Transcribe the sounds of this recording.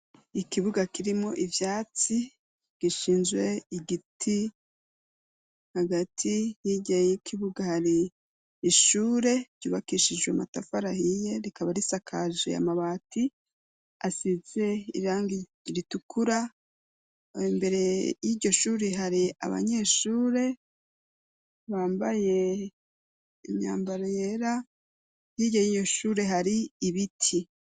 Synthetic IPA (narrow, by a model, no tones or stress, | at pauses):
ikiβuɡakiɾimo̞ʔivjaːt͡si | ɡ̥iʃiːnzɡwe̞iɡitʰi | haɡatʰijiɟajejikʰiβuɡahaɾiː | ʃuːɾe̞ɾɟ̥ṵβakiʃid͡ʒɡwematafaɾahije̞ɾikaβaɾisakʰaʒḛja̰maβaːti | asize̞ḭβaːŋɡi | ɾitukuɾa | mbe̞ɾe̞jiɟo̞ʃuːɾeɦaɾia̰βa̰ɲe̞ʃuːɾe̞ | βaːmbaje̞ | ḭmɲa̰ːmbaɾoje̞ɾa | jiɟojijo̞ʃuːɾe̞ɦaɾiːβitʰi